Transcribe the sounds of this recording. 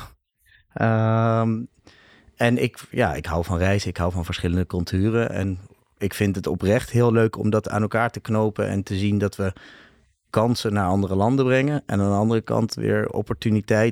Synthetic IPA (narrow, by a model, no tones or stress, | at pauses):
əm | ɛnɪkja̰ːɪ̰kɦʌwvɑnrɛjzɪkɦʌwvɑnvəɹsχɪləndəkɵlˠtʰyːrəʔɛ̰n | ɪkfɪntətɔprɛχtɦɪːlˠløɥkɔ̰mdɑta̰ːnɛlˠkaːɹtəknowpə̰ʔɛ̰ntəzindɑtʋə | kɑnsənaːɹɑndərəlɑndəbrɛŋənʔɛ̰naːndəɑndərəkɑ̰ntʋɪ̰ːɹɔ̰pɔɹtynitɛj